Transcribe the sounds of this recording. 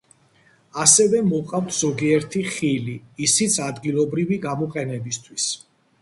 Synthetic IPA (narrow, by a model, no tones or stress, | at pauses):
asɛvɛmɔqʼawt̪ʰz̥ɔɡiɛɾt̪ʰiχiliːsit̪sʰad̪ɡilˠɔbɾiviɡamɔqʼɛnɛbist̪ʰwis